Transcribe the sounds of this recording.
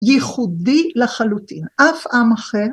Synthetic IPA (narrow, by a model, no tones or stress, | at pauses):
jiχud̪ilaχalut̪ḭnʔafʔamaχeʁ